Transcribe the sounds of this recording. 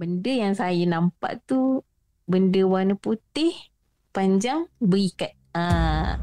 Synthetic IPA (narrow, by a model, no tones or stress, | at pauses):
bəndəjaŋsajənampa̰ʔt̪u | bəndəwanəput̪ɪh | paɲd͡ʒaŋbəɾikat̪̚ə̃